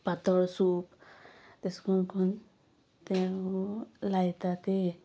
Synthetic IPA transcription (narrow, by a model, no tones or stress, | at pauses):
pat̪ɔɹsupt̪ɛskʰɔnkʰɔn | t̪ɛ | lajt̪at̪e